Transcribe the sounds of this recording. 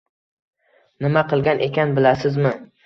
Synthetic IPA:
nɪmaqʰɨlˠɡʲanʔe̞kʲanbɪlasɪzmɪ

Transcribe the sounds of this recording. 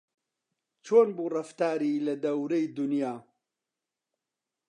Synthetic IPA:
t͡ʃʰoːnbuːrɐft̪aːɾilɐd̪ɐwɾɐjd̪ʊnjaː

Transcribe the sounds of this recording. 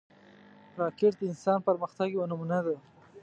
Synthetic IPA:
ɾɑkeʈ̚d̪əɪnsɑnpəɾməxt̪aɡwanumunad̪a

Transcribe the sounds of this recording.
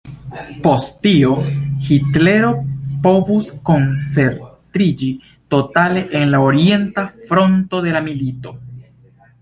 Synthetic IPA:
po̞stio̞xitle̞ɾo̞po̞vusko̞nt͡se̞ɾtɾid͡ʒi | to̞tale̞ʔenlaoɾie̞ntafɾo̞nto̞de̞lamilito̞

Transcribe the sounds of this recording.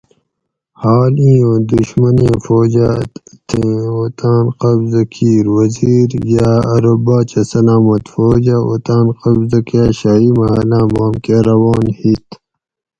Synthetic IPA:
haːlĩːõːd̪uɕmɐnĩfoːd͡ʑat̪ʰẽoːt̪aːnqɐbzɐkʰiːɾwɐziːɾjaɐɾobaːt͡ɕɐsɐlaːmɐt̪foːd͡ʑao̰t̪aːnqɐbzɐkjaːɕaːimɐɦɐlãːmaːmkeɾɐwɑːnhit̪

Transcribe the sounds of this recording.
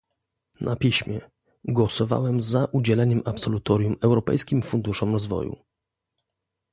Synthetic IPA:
nʔapʲiɕmʲjɛ | ɡwɔsɔva̰wɛmzaʔud͡ʑɛlɛɲɛmʔapsɔlut̪ɔɾʲjumɛwɾɔpɛ̰jskʲimfund̪uʂɔmɾɔzvɔ̰jṵ

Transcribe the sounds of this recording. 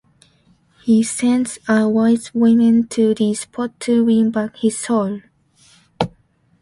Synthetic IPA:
hisɛ̃nzəwaɪswɪmɪ̃ntʰɨðɨspʰɔtʰɨwĩnbakhɪz̥sol

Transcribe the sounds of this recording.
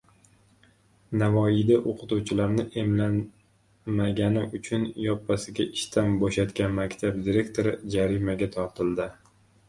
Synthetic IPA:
navɒɪjd̪aʔoqʰɨt̪uwt͡ʃʰɪlaɾnɪʔe̞mlan | maɡʲanɪʔʊt͡ʃʰʊnjɒpːasɪɡʲaʔɪʃt̪ʰanbɒʃat̪ɡʲanmakʲt̪ʰab̚d̪iɾe̞kʲt̪ʰoɾɪd͡ʒaɾɪmaɡʲat̪ʰɒɾt̪ʰɪld̪ɪ

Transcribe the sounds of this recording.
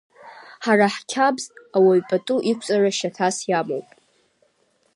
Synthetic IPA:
ħaraħkʲʰabzawaɥpʼatʼuʔikʷʰt͡sʼaraʃatʰasjamo̰wpʼ

